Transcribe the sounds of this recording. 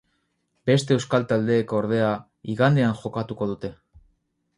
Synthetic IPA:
b̥e̞st̪e̞ːwskalt̪ald̪e̞ːkoɾð̞e̞a | iɣand̪e̞aŋʝo̞kat̪uko̞ð̞ut̪e̞

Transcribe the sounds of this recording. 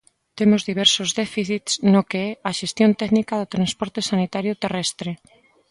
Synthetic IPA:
t̪emozðiβ̞ɛɾsozðɛfiθit̪snokeɛaʃest̪jont̪ɛknikaðot̪ɾanspɔɾt̪esanit̪aɾjʊt̪erɛst̪ɾe

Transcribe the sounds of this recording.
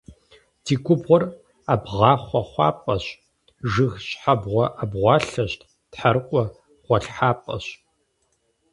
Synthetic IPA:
dʰiːkʷʊbʁʷɔr | abʁɑːχʷɔχʷɑ̰ːpʼɐɕ | ʒɨɣɕʼħabʁʷɔʔabʁʷɑːɬɐɕtʰʼ | tħaɾɨqʷʼɔ | ʁ̥ʷɔɬħaːpʼɐ̰ɕ

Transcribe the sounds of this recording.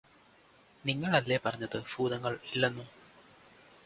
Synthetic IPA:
niŋːɐɭɐlːepɐrɐɲːɐðɨbuːðɐŋːɐɭilːenːu

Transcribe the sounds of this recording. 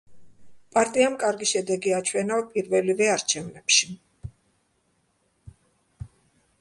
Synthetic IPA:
pʼaɾt̪ʼiamkʼaɾɡiʃɛd̪ɛɡiat͡ʃʰwɛnavpʼiɾvɛlivɛaɾt͡ʃʰɛvnɛpʃi̥

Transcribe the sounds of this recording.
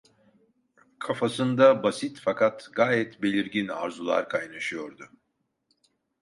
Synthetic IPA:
kʰafasɯnd̪abasit̪fakʰat̪ɡaːjɛt̪be̞lʲiɾɟina̰ɾzulˠa̰ɾkʰajnaʃɯjoɾd̪ʊ

